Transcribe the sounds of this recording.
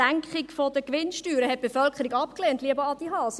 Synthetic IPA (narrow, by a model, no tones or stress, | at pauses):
æŋkχɪkfodəkʋɪnʃtyːɾəhɛt̚b̥əfœlkʰəɾiɡɑpkleːntliəbəɑd̥iɦɑːs